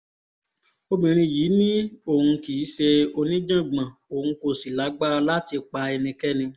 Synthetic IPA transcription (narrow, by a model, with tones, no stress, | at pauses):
o˦˧bĩ˨ɾ̃ĩ˧jiː˨˦nĩ˦o˦˨hũ˧ki˨˦ʃe˧o˧nĩ˦d͡ʒã˦˨ɡ͡bã˨o˨hũ˧ko˧˨si˨la˨˦ɡ͡ba˦˧la˦ti˧k͡pa˧e˧nĩ˧kɛ˦nĩ˧